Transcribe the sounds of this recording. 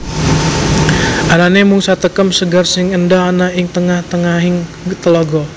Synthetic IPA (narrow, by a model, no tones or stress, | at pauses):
ʔananemuŋsat̪əkəmsəɡarsɪŋəndɔɦanaɪŋt̪əŋaht̪əŋaɦɪŋ | t̪əlɔɡɔ